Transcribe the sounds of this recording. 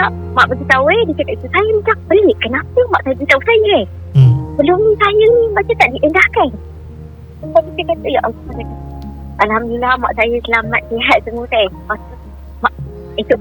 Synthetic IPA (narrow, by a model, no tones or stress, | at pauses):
aʔ | maʔbəɡit̪awedit͡ʃakat̪̚it̪usajəmətaŋ̚bəleʔkənapəmaʔsajəbit̪ausajə | bəlomnisajənibat͡ʃət̪aʔdiʔəndahkan | maʔkit̪əkat̪əjaʔalɔhmasaka | ʔalhamdəlama̰ʔsajəsəlamnaʔseɦat̪̚səmut̪ajmat̪u | maʔ | it̪uʔ